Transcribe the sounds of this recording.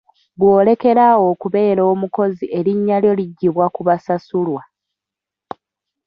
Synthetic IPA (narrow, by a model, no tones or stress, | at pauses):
βwo̞ːle̞ke̞ɾawo̞ːkuβe̞ːɾo̞ːmuko̞ziʔe̞ɾiɲːaljo̞liɟːiβwakuβasasulwa